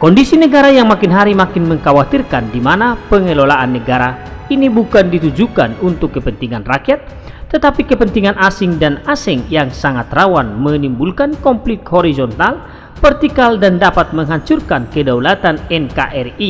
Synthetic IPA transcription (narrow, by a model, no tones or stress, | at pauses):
kɔndisinəɡaɾajaŋmakinɦaɾimakɪnməŋkawat̪irkandimanapəŋəlolaʔanːəɡaɾainibukandit̪ud͡ʒuka̰nunt̪ʊkːəpənt̪iŋanrakiat̪̚ː | ət̪apikəpənt̪iŋanʔasiŋdanasɛŋjaŋsaŋat̪rawanmənimbulkankɔmplit̪hɔɾizɔnt̪al | fɛrt̪ikaldandapat̪̚məŋɦaɲt͡ʃurkankədaulat̪anɛnkaʔɛri